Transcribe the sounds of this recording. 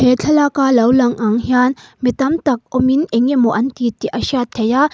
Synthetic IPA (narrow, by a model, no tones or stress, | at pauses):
pet͡ɬʰɐlakalɐwlɐŋʔaŋhjaːnmit̪ɐmt̪ɐk̚omineŋemoʔɐnt̪it̪iʔɐʃat̪ʰːeja